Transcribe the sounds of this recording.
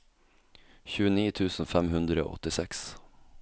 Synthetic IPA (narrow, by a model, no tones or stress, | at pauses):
çʉːəniːt̪ʰʉːsn̩fɛmɦʉnd̪ɾəo̰ːɔ̰t̪ɪsɛks